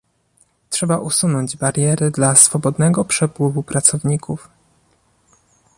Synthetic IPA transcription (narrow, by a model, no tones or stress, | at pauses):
tʂɛbaʔusunɔɲd͡ʑbaɾʲjɛɾɘd̪lasfɔbɔd̪nɛɡɔpʂɛpwɘvupɾat̪sɔvɲikʰuf